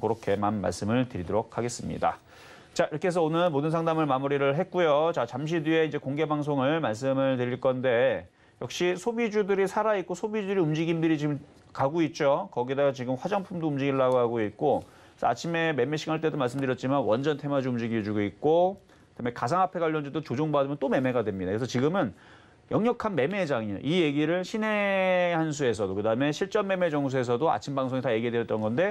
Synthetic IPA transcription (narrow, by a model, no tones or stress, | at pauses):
koɾokʰe̞manma̰ɭs͈ɯmɯɭtɯɾidoɾok̚ʰaɡe̞s͈ɯmɲḭda̰ | t͡ɕaiɾʌkʰe̞s̬ʰʌonɯnmodɯnsʰaŋdamɯɭmamuɾiɾɯɭɦet̚k͈ujot͡ɕat͡ɕamɕ̬ʰidie̞ind͡ʑe̞koŋɡe̞baŋs̬ʰoŋɯɭmaɭs̬͈ɯmɯɭtɯɾiɭk͈ʌnde̞ | jʌk̚ɕ͈isʰobid͡ʑudɯɾisʰaɾait̚k͈osʰobid͡ʑudɯɾiumd͡ʑiɡindɯɾit͡ɕiɡɯm | kaɡoit̚t͡ɕ͈okʌɡidaɡt͡ɕiɡɯmɸwad͡ʑaŋpʰumdoumd͡ʑiɡiɭːaɡoɦaɡoit̚k͈o | sʰʌat͡ɕʰime̞me̞me̞ɕʰiɡaɭt͈e̞domaɭs͈ɯmndɯɾjʌt̚t͡ɕ͈imanwʌnd͡ʑʌntʰe̞mad͡ʑuumd͡ʑiɡid͡ʑuɡoik̚k͈o | kɯdame̞kasʰaŋapʰe̞ɡwaʎːʌnd͡ʑudot͡ɕod͡ʑoŋbadɯmjʌnt͈ome̞me̞ɡadwe̞mɲidakɾesʰʌt͡ɕiɡɯmɯn | jʌŋɲjʌkʰanme̞me̞d͡ʑaŋio̰ʔije̞ɡiɾɯɭɕʰine̞ɦans̬ʰue̞s̬ʰʌdokɯdaɯme̞ɕʰiɭt͡ɕ͈ʌmːe̞me̞d͡ʑʌŋs̬ʰue̞sʰʌdoa̰t͡ɕʰimbaŋsʰoŋitaje̞ɡidejʌt͈ʌnɡʌnde̞